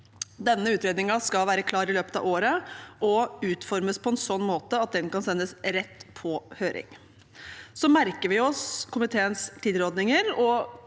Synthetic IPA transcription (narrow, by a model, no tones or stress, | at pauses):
d̪ɛnːəʉːt̪ɾeːd̪nɪŋɑskɑlʋæːɾəkʰlɑːɾɪløːpət̪ɑ̰ʋoːɾəʔɔʉːt̪fɔɾməspʰɔɛnsɔnːmoːt̪əɑt̪̚d̪ɛnkɑnsɛnːəsɾɛt̪ːpʰɔhøːɾɪ̰ŋ | sɔmæɾkəɾʋɪɔskʰʊmɪt̪ʰeːənst̪ʰiːd̪ɾɔd̪nɪŋəɾɔ